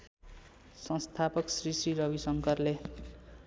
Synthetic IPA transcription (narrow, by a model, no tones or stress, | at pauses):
sʌ̃nst̪ʰapʌksrisiɾʌbisʌŋkʌrle